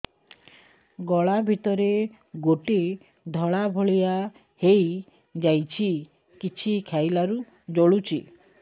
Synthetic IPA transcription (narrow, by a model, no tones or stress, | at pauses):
ɡɔɭabʱit̪ɔɾe | ɡoʈe | d̪ʱɔɭabʱɔɭija | hej | d͡ʒajt͡ʃʰi | kit͡ʃʰikʰjajlaɾu | d͡ʒoɭut͡ʃʰi